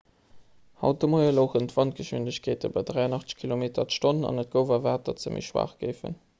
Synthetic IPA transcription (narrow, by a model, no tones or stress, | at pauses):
hɑ̰ʊt̚dəmoɪəloːχəntvɑnt̚ɡ̥əʃwindəɕkʰeːtəbɐdʁæɪɑnɑχt͡sə̥kʰilomeːtɐtʃtonnɑ̰nət̚ɡ̥əʊvɐvaːt̚ɐt͡səmʔḭʃwa̰ːχɡ̥əɪfə̰n